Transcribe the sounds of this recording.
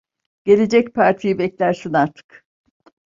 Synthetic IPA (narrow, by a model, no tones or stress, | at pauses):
ɟ̥e̞lʲe̞d͡ʒɛc̚pʰaɾt̪ʰijibɛclʲæɾsinaɾt̪ʰɯ̥k